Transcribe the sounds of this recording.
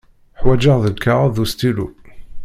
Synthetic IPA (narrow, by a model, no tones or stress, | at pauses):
ħwæd͡ʒəʁðəlkʰːaʁðust̪ilṵ